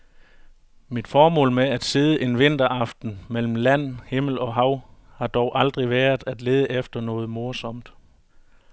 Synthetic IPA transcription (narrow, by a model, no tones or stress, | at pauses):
mid̥fɒːmɔ̰̽ːlmeæd̥se̝ð̞ˠəʔe̝nʋe̝n̰d̥ɐʔɑ̈fd̥n̩mel̰m̩læn̰he̝ml̩ɒ̽ɦɑ̈ʊ̰hɑ̈d̥ɒʊʔɑ̈ld̥ʁiʋæːɐð̩ˠæd̥le̝ːðˠəʔefd̥ɐnɔ̽ːð̞̩ˠmo̝ɐsɒ̽m̰d̥